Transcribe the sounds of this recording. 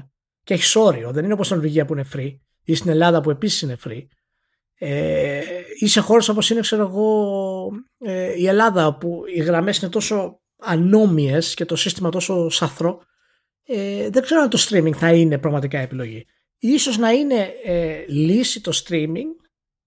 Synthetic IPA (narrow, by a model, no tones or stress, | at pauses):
ceeçi̥so̞ɾio̞ðe̞ninoost̪inɾiʝiɐpuine̞fɾi | ist̪ine̞lɐðɐp̬ue̞pisi̥sine̞fɾi | e | ise̞xo̞ɾe̞so̞po̞sine̞kse̞ɾoeɣo̞ | eie̞lɐðɐopuiɣɾɐme̞sine̞t̪o̞so̞ | ɐno̞mie̞sce̞t̪o̞sist̪imɐt̪o̞so̞sɐθɾo̞ | eðe̞ɡze̞ɾoɐnit̪o̞st̪ɾimĩŋɡθɐinepɾɐɣmɐt̪ikɐiepilo̞ʝi | iso̞znɐine̞ | lisit̪o̞st̪ɾimiŋɡ